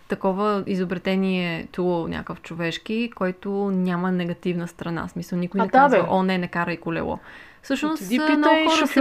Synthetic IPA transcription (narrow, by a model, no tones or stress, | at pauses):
t̪ɐkɔvəizobɾɛt̪ɛniɛt̪ulˠnʲʔa̰kəft͡ʃovɛʃkikɔjt̪onʲamənɛɡɐt̪ivnəst̪ɾɐna̰smisəlˠnikʊjnɛkd̪aɐʔɔnɛnɛkaɾəikolɛ̰lˠɔ̰ | fsɤʃnosinɔɔf